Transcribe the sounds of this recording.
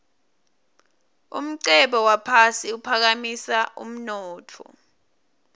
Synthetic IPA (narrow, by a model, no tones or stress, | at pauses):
ṵm̩ǀɛɓɔwapʰasiupʰak̬amisaṵm̩nɔːtʰɔ̰